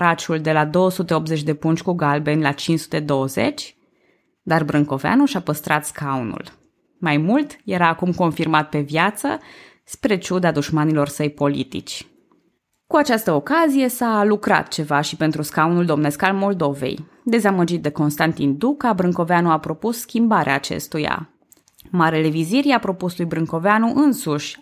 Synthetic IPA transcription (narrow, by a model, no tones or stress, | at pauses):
ɾat͡ʃuld̪e̞lad̪o̞wəsut̪e̞op̚zet͡ʃʲd̪e̞punt͡ʃʲkuɡalbe̞nʲlat͡ʃinsu̥t̪e̞d̪o̞wəze̞̰t͡ʃʲ | d̪arbɾɨŋko̞vea̰nuʃapəst̪ɾat̪skaunṵl | majmult̪je̞ɾaːkumko̞nfirmat̪̚pe̞vjat̪sə̰ | spɾe̞t͡ʃud̪ad̪uʃmanilo̞rsəjpo̞lḭt̪ḭt͡ʃʲ | kuat͡ʃast̪əokazije̞salukɾa̰t̪̚t͡ʃe̞vaʃipe̞nt̪ɾuskawnuld̪o̞mne̞skalmo̞ld̪o̞ve̞̰j | d̪e̞zaməd͡ʒit̪̚d̪e̞ko̞nst̪ant̪ind̪ukabɾɨŋko̞veanuapɾo̞pusːkʲimbaɾeaːt͡ʃe̞̰st̪uja̰ | maɾele̞viziɾiapɾo̞puslujbɾɨŋko̞veanuʔɨnsuʃʲ